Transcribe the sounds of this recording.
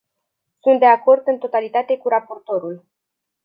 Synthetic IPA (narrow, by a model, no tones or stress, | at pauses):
sunt̪̚d̪e̞ako̞rd̪ɨnt̪o̞t̪alit̪at̪e̞kuɾapo̞rt̪o̞ɾul